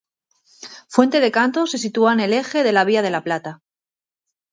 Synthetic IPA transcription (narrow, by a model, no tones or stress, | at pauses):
fwe̞nt̪e̞ð̞e̞kant̪o̞se̞sit̪uane̞le̞xe̞ðe̞laβ̞iað̞e̞laplat̪a